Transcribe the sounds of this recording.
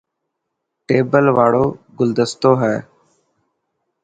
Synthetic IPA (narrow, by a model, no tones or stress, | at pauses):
ʈeːbəlʋaːɽoːɡʊld̪əst̪oːɦɛː